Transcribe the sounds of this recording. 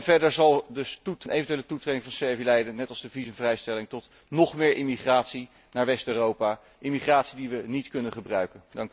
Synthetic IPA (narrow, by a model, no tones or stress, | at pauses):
nvɛɹdəɹzɑlˠdɵstutnʔejvəntyeːlətutrejdɪŋvɑnsɛɹvilɛjdənnɛtɑlˠzdəvizəmvrɛjstɛlɪŋtɔt | nɔχmɪːɹʔɪmiχraːtsi | naːɹʋɛstøːrowpa | ʔɪmiχraːtsidiʋənitkɵnənχəbrœɥkəndɑŋk